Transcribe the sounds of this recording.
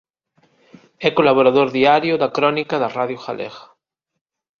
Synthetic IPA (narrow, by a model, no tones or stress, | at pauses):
ɛkolaβoɾaðoɾðiaɾjoðakɾɔnikaðaraðjoxalʔḛɣḁ